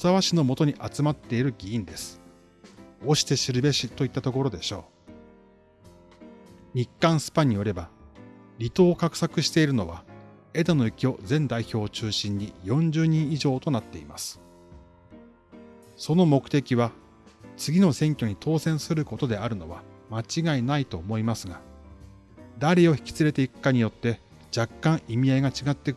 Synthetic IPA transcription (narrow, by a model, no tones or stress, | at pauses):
saβaɕino̞mo̞t̪o̞ɲ̟iʔat͡sɨmat̪ːe̞iɾɯ̟ɡʲiĩnd̪e̞sɨ̥ | o̞ɕi̥t̪e̞ɕiɾɯ̟be̞ɕit̪o̞it̪ːat̪o̞k̬o̞ɾo̞d̪e̞ɕo̞ː | ɲ̟ikːãɰ̃sɨ̥paɲ̟ːijo̞ɾe̞ba | ɾʲit̪o̞ːkakɯ̟̥sakɯ̟ɕi̥t̪e̞iɾɯ̟no̞βa | e̞d̪ano̞ikʲio̞zẽ̞nd̪aiço̞ːt͡ɕɨːɕĩɲ̟ɲijõ̞ɲ̟d͡ʑɨːɲ̟ĩɰ̃iʑo̞ːt̪o̞nat̪ːe̞ima̰sɨ̥ | so̞no̞mo̞kɯ̟̥t̪e̞kʲiβa | t͡sɨɡʲino̞sẽ̞ŋkʲo̞ɲ̟it̪ʰo̞ːsẽ̞ɰ̃sɨɾɯ̟ko̞t̪o̞d̪e̞aɾɯ̟no̞βamat͡ɕiɡainait̪o̞ːmo̞imasɨɡa | d̪aɾeo̞çi̥kʲi̥t͡sɨɾe̞t̪e̞ikɯ̟̥kaɲ̟ijo̞t̪ːe̞ | d͡ʑakːãɰ̃ʔimʲiaiɡat͡ɕiɡat̪ːek